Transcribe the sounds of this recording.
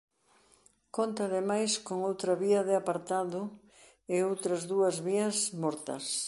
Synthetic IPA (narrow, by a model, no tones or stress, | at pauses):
kont̪ɐːðemajskoŋowt̪ɾɐβiɐðɪapaɾt̪aðʊ | ɪowt̪ɾɐzðuɐzβiɐsmɔɾt̪ɐ̰s